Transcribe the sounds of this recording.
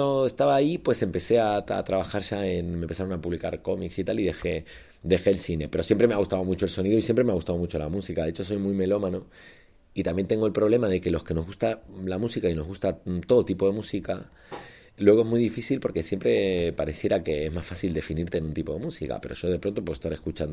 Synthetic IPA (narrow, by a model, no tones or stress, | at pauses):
oest̪aβaːipwe̞se̞mpe̞se̞aa̰t̪ɾaβaxaɾʒaenmempe̞saɾo̞napuβlikaɾko̞miksit̪aliðe̞xe̞ | d̪e̞xe̞ːlsine̞pe̞ɾo̞sje̞mpɾe̞meaɣust̪aβo̞mut͡ʃo̞e̞lso̞niðoisje̞mpɾe̞meaɣust̪aðmut͡ʃo̞la̰musikaðeet͡ʃo̞s̬o̞jmujme̞lo̞mano̞ | it̪ambje̞nt̪e̞ŋɡo̞elpɾo̞βle̞maðe̞ke̞lo̞ske̞no̞zɣust̪alamusikaino̞zɣust̪at̪o̞ðot̪ipo̞ðe̞musika | lwe̞ɣ̞ezmujðifisilpo̞ɾke̞sjempɾe̞paɾe̞sje̞ɾake̞ezmasfasild̪e̞finiɾt̪enũnt̪ipo̞ðe̞musika̰pe̞ɾo̞̰ʒo̞ðe̞pɾont̪o̞post̪aɾe̞skut͡ʃand̪o